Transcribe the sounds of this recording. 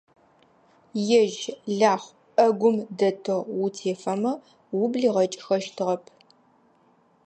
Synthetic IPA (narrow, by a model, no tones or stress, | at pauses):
jɛʒɮaːχʷ | ʔɐɡʷʊmdɐtʰɨʁwutʰeːfɐmɐ | wʊbɮiːʁɐt͡ʃʼxɐʃtʰɨʁɐpʰ